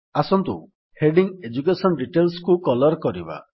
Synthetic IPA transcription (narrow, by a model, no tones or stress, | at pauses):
asɔnt̪ṵ | heɖiŋed͡ʒukesɔnɖiʈelskukɔlɔɾkɔɾiba̰